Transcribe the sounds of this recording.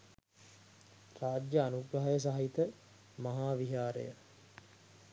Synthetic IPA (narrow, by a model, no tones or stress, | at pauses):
raːd͡ʒjəanuɡɾɐɦajəs̬aɦit̪ə | mɐɦaːʋiɦaːɾə̰jə